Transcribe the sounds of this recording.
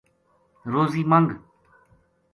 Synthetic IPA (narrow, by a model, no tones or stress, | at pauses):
ɾoːziːmaŋɡ